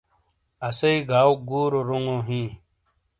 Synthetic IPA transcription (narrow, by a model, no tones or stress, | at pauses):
ɐsɐiɡʱaːwɡuːɾoɾuŋõɦĩː